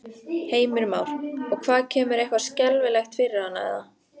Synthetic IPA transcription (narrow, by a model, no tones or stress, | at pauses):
heːjmʏɾmaːwɾ̥ɔɣkʰvaːðcʰɛːmʏɾejhkvḁscɛlvɪlɛxt̪fɪɾɪɾanːa̰ɛ̰ða